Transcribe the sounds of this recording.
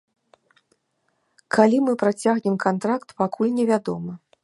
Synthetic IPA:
kʰalʲimɨpɾat͡sʲaɣnʲɛmkant̪ɾakt̪pakʰulʲnʲɛvʲad̪ɔmɐ

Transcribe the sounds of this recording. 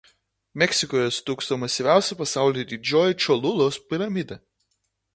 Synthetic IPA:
mʲɛkʲsʲɪkoːjɛst̪uːkst̪omɐsʲiʋʲæˑʊsʲɛpɐsɑˑʊlʲiːd̪ʲɪd͡ʒʲoːjɛt͡ʃɔlˠʊlˠoːspʲɪɾɐmʲɪd̪ɐ

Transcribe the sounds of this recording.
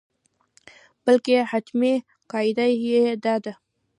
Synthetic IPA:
b̥əlkehat̪me | kɑjd̪ajjed̪ɑd̪a

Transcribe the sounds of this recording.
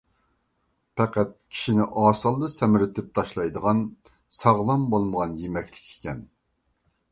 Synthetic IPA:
pʰɛqæt̪̚kʲʰi̥ʃinɪʔɑːsɨlˠd̪ɨsɛmɪɾɪt̪ʰɪp̚t̪ʰɑʃlˠɑjd̪əʁɑn | sɑʁlˠɑmbolˠməʁɑnjemɛkʲlɪ̥kʲʰe̥kʲɛn

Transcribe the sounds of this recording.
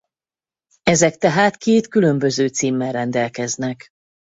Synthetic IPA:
ɛzɛkt̪ɛɦaːt̪keːt̪kylø̞mbø̞zøːt̪siːmːɛlrɛnd̪ɛlkɛznɛk

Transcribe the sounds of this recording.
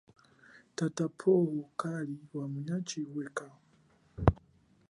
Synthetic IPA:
tatapʰɔwɔkaliwamuɲat͡ʃiwɛka

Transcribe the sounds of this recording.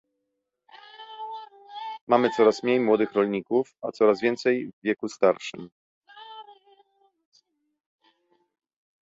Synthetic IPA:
mamɘt̪sɔɾasmɲejmwɔd̪ɘxɾɔlɲikufat̪sɔɾazvʲjɛnt̪sɛjvvʲːjɛkust̪aɾʂɘ̰m

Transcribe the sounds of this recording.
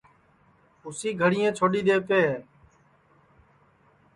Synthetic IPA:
ʊsiːɡʱəɽɪjẽːt͡ʃʰoːɗiːɗ̪eːpeːɦeː

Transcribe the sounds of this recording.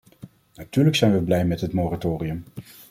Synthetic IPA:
natyːləksɛjnʋəblɛjmɛtɦətmoːratoːriɵm

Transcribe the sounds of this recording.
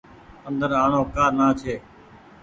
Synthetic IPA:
ənd̪əɾaːɳõːkaːnaːt͡ʃʰeː

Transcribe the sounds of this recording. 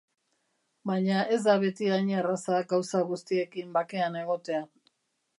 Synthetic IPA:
bajɲaʔe̞zd̪aβe̞t̪iaɲerasaɡawsaɣust̪ie̞kimbake̞ane̞ɣo̞t̪e̞a

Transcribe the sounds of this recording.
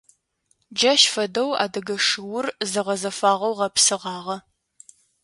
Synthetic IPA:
d͡ʒɐʃfɐdɐwa̰ːdɐɡɐʂɨwʊrzɨʁɐzɐfaːʁɐwʁɐpsɨʁɑːʁɐ

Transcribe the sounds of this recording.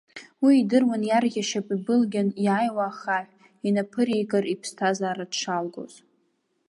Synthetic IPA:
wiːdɨrwanjarɣʲaʃapʼibɨlɡʲanjaːjwaχaħʷ | inapʰɨɾijɡʼaripʰstʰazaːɾadʂalɡo̰z̥

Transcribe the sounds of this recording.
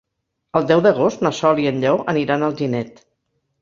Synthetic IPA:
əlˠd̪ɛwðəɣ̞ost̪nəsɔliənʎɛwəniɾanəlˠʒinɛt̪

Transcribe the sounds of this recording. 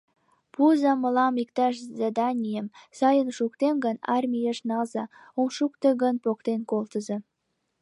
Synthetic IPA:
puzɑməlɑmik̚t̪ɑʃzɑd̪ɑnʲijəmsɑjənʃuk̚t̪emɡənɑrmʲijeʃnɑzɑomʃukt̪eɣənpok̚t̪enkolt̪əzɤ

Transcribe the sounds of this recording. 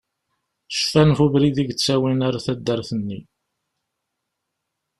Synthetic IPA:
ʃə̥fænfuvɾiðiɡt͡sːæwinaɾaθæd̪ːəɾθənːi

